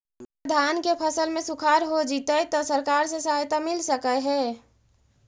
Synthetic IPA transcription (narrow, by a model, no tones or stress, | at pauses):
pəd̪ʱankepʰəsəlmesukʰaɾɦod͡ʒit̪ət̪ɔsəɾkaɾsẽsaɦajt̪amilsəkəɦɛ